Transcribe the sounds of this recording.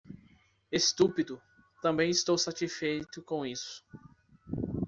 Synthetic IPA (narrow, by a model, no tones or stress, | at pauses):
est̪upid̪ʊ | t̪ɐ̃mbẽj̃ist̪owsat͡ʃisfejt̪ʊkõw̃isʊ̥